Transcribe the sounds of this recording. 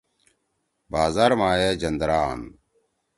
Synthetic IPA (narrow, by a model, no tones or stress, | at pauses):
baːzaːɾmaːjed͡ʑɐnd̪ɾaːn